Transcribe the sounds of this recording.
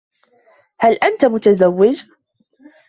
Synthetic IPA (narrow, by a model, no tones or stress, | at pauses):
halʔant̪amʊt̪azawːɪd͡ʒ